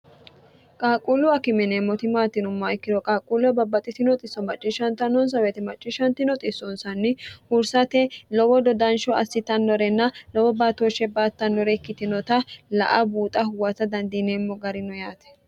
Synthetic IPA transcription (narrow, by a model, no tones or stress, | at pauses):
kʼaːkʼulʊɐkɪmɛnemːɔt̪ɪmaːt̪ːɪnʊmːɐɪkːɪd̪ɔkʼaːkʼulʊɐbɐbːɐt̪ʼːɪt̪ɪnɔt̪ʼɪsːɔmɐt͡ʃʼːɪʃɐnt̪ɐnɔns̬ɐwɛt̪ɛmɐt͡ʃʼːɪʃɐnt̪ːɪnɔt̪ʼɪsɔnsɐnːɪhʊɾsɐt̪ɛlɔwɔd̪ɔd̪ɐnʃɔɐsːɪt̪ɐnːɔɾɛnːɐlɔwɔbaːt̪oːʃɛbaːt̪ːɐnːɔɾɛɪkːɪt̪ɪnɔt̪ɐlɐ̰ʔɐ̰buːt̪ʼɐhʊwɐt̪ɐd̪ɐnd̪iːnemːɔɡɐɾɪnɔjaːt̪ɛ̥